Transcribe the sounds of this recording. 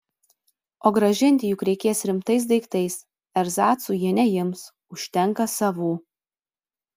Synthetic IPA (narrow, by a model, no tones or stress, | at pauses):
oːɡɾɐʒʲɪnʲt̪ʲɪjʊkɾʲɛɪkʲeːsɾʲɪmt̪ɐɪs̬d̪ɐɪkt̪ɐɪs | ɛɾzɑːt̪suːjiɛnʲɛjɪms | ʊʃʲt̪ʲɛŋˑkɐsɑʋuː